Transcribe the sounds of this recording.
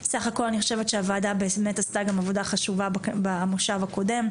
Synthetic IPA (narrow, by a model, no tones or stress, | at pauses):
saχako̞laniχo̞ʃe̞ve̞t̪ʃeavaːdabemetastaɡamavo̞daχaʃuvabamoʃavako̞de̞m